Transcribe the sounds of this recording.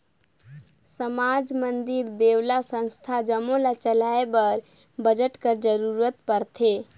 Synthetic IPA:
səmad͡ʒmənd̪iɾd̪ewlasə̃nst̪ʰad͡ʒəmolat͡ʃəlaebəɾ | bəd͡ʒəʈkəɾd͡ʒəɾuɾət̪pəɾt̪ʰe

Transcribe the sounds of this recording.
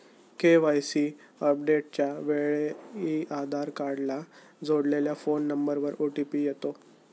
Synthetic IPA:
keʋajsi | əp̚ɖeʈ̚t͡ɕjaʋeɭeiad̪ʱaɾkaɽla | d͡zoɽleljafonːəmbəɾʋəɾoʈipiːjet̪o

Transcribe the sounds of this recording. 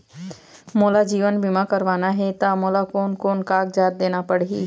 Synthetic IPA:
moːlad͡ʒiːʋənbɪmãkəɾʋaːnaɦɛt̪amoːlakoːnkoːnkaːɡd͡ʒaːt̪̚d̪eːnapəɽḭː

